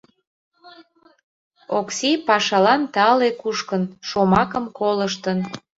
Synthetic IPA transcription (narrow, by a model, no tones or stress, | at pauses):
oksipɑʃɑlɑnt̪ɑlekuʃkənʃomɑkəmkoləʃ̬t̪ən